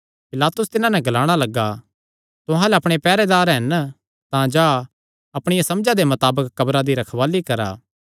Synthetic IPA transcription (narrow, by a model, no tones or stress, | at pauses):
pɪlaːt̪ʊst̪ɪnãnɛɡɐlaːɽ̃alɐɡːa | t̪ʊɦãlɛɐpɽ̃epɛːɾed̪aːɾɦɛn | t̪ãd͡ʒaː | ɐpɽ̃ɪjasɐmd͡ʒad̪emɐt̪aːbəkːɐbɾad̪iɾɐkʰʋaːlikɐɾa̰ː